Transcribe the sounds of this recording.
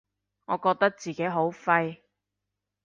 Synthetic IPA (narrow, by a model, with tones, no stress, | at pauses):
ŋɔː˨˧kɔː˧k̚t̪ɐ˥k̚t͡siː˨ke˨˥jɦo˨˥wfɐ˧j